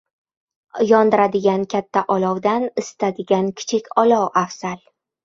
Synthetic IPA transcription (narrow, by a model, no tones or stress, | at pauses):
jɒnd̪ɪɾad̪ɪɡʲankʲʰat̪ʰːaʔɒlɒwd̪anɪst̪ʰad̪ɪɡʲankʲʰɪ̥t͡ʃʰɪkʲɒlɒwafsal